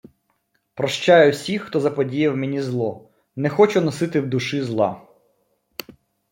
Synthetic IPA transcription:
pɾɔʃt͡ʃɑjʊwsʲixːt̪ɔzɐpɔdʲijɐwmenʲizlˠɔ | nɛxɔt͡ʃʊnɔsɪt̪ɪwd̪ʊʃɪzlˠɑ̰

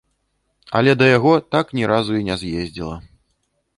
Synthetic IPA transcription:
ɐ̰lʲɛd̪ɐjaɣɔt̪aknʲiɾazuinʲɛzjezʲd͡zʲilˠɐ̰

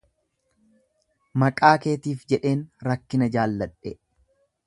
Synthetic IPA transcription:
mɐkʼaːke̞ːt̪iːfd͡ʒɛᶑe̞ːnɾɐkːɪnɐd͡ʒaːlːɐᶑɛ

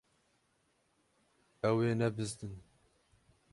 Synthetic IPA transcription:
ɛweːnɛbɨzd̪ɨn

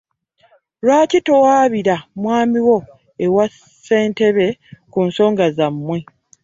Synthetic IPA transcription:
lwaːcito̞waːβiɾamwaːmiwo̞ | ewas | e̞ːnte̞βe̞kuːnso̞ːŋɡazamːwe

